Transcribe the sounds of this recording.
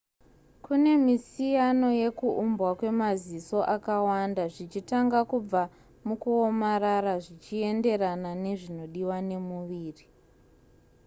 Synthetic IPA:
kune̞misijano̞je̞kuʔumbwakwe̞maziso̞ʔakawandaʐit͡ʃitaŋɡakub͡va | mukuomaɾaɾaʐit͡ʃie̞nde̞ɾanane̞ʐino̞ɗiwane̞muʋiːri

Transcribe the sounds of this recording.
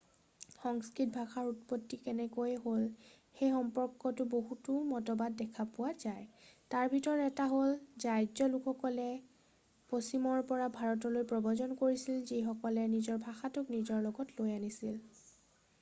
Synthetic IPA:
xɔŋskɹit̚bʱaxaɹutpɔtːikɛnɛkojɦol | xejxɔmpɔɹkːɔtʊboɦutʊmɔtɔbadːɛkʰapʊwazajtaɹbʱitɔɹɛtaɦolzajd͡ʒɔlukʰɔkɔlɛ | posimɔɹpɔɹabʱaɹɔtɔlojpɹɔbɔzɔnkoɹisilzixɔkɔlɛnizɔɹbʱaxatʊknizɔɹlɔɡɔtlojanisil

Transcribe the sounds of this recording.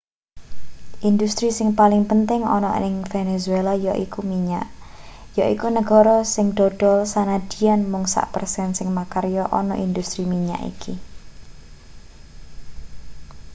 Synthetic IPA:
ʔind̪ust̪ɾisɪŋpalɪŋpənt̪ɪŋɔ̰nɔ̰ʔnɪŋfenezuelajɔʔikumiɲa̰ʔ | jɔʔikunəɡɔɾɔsɪŋɖ̪̥ɔɖ̥ɔlsanad̥i̤anmʊŋsa̰ʔpərsɛnsɪŋmakaɾjɔʔɔnɔ̰ʔind̪ust̪ɾimiɲa̰ʔḭkʰi

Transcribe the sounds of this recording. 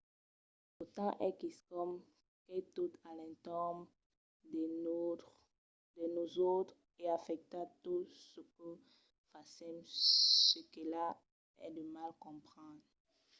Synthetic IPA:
ot̪ɑ̃ʔɛkiskɔm | kɛt̪ut̪alɛ̃tɔm | d̪enozot̪χ | eafɛk̚t̪at̪usəkə | fasɛmsekela | ɛ̰dəmalkɔ̃pχɑ̃d̪ʁ

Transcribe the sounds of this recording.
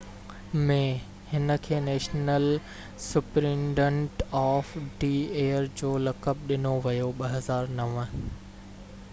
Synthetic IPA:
mẽ | hɪnə̆kʰeːnɛːʃnəl | sʊpɾĩːmɖə̃ɳʈɔːfɖiːeːəɾd͡ʑoːlɐkəb̚ɗɪnoʋɐjoɓɐɦɐzaːɾnɐʋə̆

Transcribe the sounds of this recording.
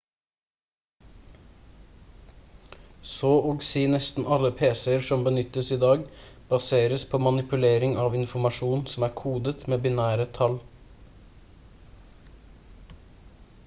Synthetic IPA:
soːʔoːɡseːnɛst̪n̩ʔɑləpʰeːsɛəɾʃɔmbənʏt̪əsiːd̪ɑːɡ | b̥ɑseːɾəspʰoːmɑnɪpʉleːɾɪŋɑːʋɪnfɔmɑʃuːnsɔm̩æːkʰuːd̪ət̪meːbɪnæːɾət̪ʰɑl

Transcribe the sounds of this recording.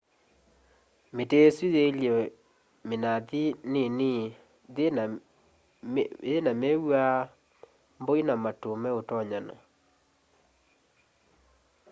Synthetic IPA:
meteswiðeljɔ | menaðinen | enamɛwa | mboinamatomɛotɔɲana̰

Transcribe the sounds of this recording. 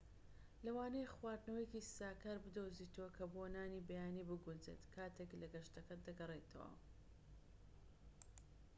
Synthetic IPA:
lɐwaːnejχwaːɾd̪nɐwjecisaːkaːɾbɨd̪oziːt̪ʰowɐkʰɐbonaːniːbɐjaːniːbɨɡunzḛt̪kʰaːt̪ʰeklɐɡɐʃt̪ɐkɐd̪ɐɡɐret̪ʰɐ̰wɐ̰

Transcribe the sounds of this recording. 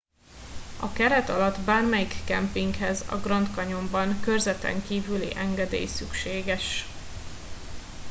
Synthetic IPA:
ɒkɛɾɛt̪ɒlɒd̪baːrmɛjikːɛmpiŋkhɛzɒ̰ɡrɒnt̪kɒɲo̞mbɒŋkø̞rzɛt̪ɛ̰ŋkiːvylḭʔɛŋɡɛd̪ḛːjsykʃeːɡɛʃ

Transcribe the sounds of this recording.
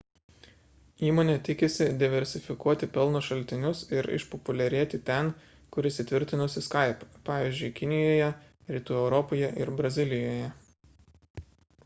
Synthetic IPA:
iːmoːnʲeːt̪ʲɪkʲɪsʲɪd̪ʲɪʋʲɛɾʲsʲɪfʲɪkuɔt̪ʲɪpʲɛlˠnoʃɐlʲt̪ʲɪnʲʊsɪɾɪ̰ʃpɔpʊlʲɛɾʲiɛt̪ʲɪt̪ʲɛn | kʊɾʲɪsʲɪt̪ʲʋʲɪɾʲt̪ʲɪnʊsʲɪskɐˑɪppɑːʋʲiːzʲd͡ʒʲʊɪkʲɪnʲɪjoːjɛ | ɾʲiːt̪uːɛʊɾɔpoːjɛʔɪɾbɾɐzʲɪlʲɪjoːjɛ

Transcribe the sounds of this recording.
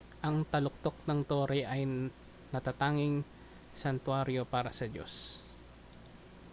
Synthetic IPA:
ʔɐŋt̪ɐlʊk̚t̪ok̚nɐŋt̪oːɾɛjʔɐj | nɐt̪at̪aːŋɪŋ | sɐnt̪waɾjo̞paːɾɐsɐd͡ʒo̞̰s

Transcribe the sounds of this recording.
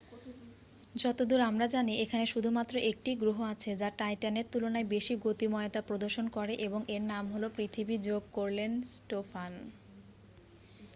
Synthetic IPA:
d͡ʑɔt̪od̪uɾamɾad͡ʑaniʔekʰaneʃud̪ʱumat̪ːɾoʔek̚ʈiɡɾuɦoat͡ɕʰed͡ʑaʈajʈaneɾt̪ulonaebeʃiɡot̪imɔeot̪apɾod̪oɾʃonkɔɾeʔeboŋʔeɾnamɦolopɾit̪ʰibid͡ʑoɡ̚koɾlensʈofan

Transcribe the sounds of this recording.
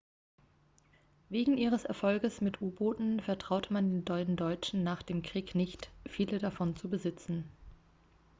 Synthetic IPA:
veːɡŋ̩ʔiːʁ̞əsɛɐfɔlɡəsmɪtʔuːboːtn̩fɛɐtʁ̥aʊtmandeːndɔʏn̩dɔʏt͡ʃn̩naːχd̥eːmkʁ̥iːknɪçtfiːlədafɔnt͡subəzɪt͡sn̩

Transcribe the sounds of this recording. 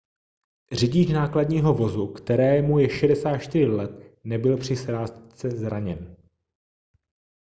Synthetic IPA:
r̝ɪɟit͡ʃnaːkladɲiːɦo̞vo̞zukt̪ɛɾɛːmujɛʃɛdɛsaːt̪ʃt̪ɪr̝ɪlɛt̪nɛbɪlpr̝̥ɪsɾaːst̪t͡sɛzɾaɲɛn

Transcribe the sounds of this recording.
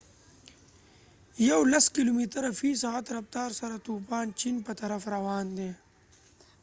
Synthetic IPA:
jɐwlɐskilumit̪əɾɐfiːsaat̪ɾɐft̪ɑːɾsɐɾat̪upɑːnt͡ʃinpət̪ɐɾɐfɾɐwɑːnd̪eː

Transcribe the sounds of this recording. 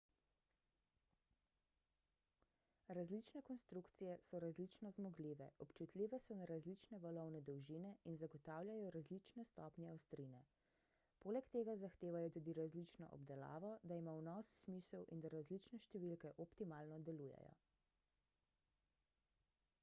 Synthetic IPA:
ɾazlit͡ʃnɛkɔnst̪ɾukt̪sijɛsɔɾazlit͡ʃnɔzmɔɡliʋɛ̰ʔɔpt͡ʃut̪lʲiʋɛsɔnaɾazlit͡ʃnɛʋɔlɔwnɛd̪ɔwʒinɛinzaɡɔt̪aːwlʲjajɔɾazlit͡ʃnɛst̪ɔːpnʲɛɔwst̪ɾinɛ | poːlɛkt̪eːɡazaxt̪eːʋajɔt̪uːd̪iɾazlit͡ʃnɔ̰ʔɔ̰b̚d̪ɛla̰ːʋɔd̪aimawnɔsːmisɛwʔind̪aɾazlit͡ʃnɛʃt̪ɛʋilkɛʔɔpt̪imaːlnɔd̪ɛluːjɛ̰jɔ̰

